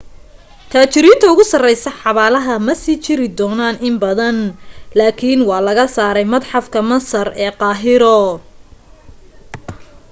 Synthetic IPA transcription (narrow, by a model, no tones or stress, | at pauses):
t̪ʰaːt͡ʃɪɾiːnt̪ʰɐʊɣʊsɐrɛjsɐħɑβaːlɐɦɐmɐsiːt͡ʃɪɾɪd̪ɔːnaːnʔɪmbɐðɐnlaːkʰiːnwɑːlɐɣɐsaːɾɛjmɐd̪ħɑfkʰɐmɐsɐrɛːqɑːɦɪɾɔ